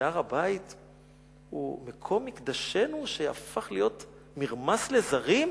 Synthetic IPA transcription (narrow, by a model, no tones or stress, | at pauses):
aʁabait | ṵmekʰo̞mːikd̪aʃe̞nuʃea̰faχlijo̞t | miʁmasle̞zaʁim